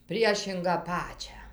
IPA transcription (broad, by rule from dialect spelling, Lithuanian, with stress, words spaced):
ˈpʲrʲiɛʃʲɪŋɡɑː ˈpɑːt͡ʃʲæː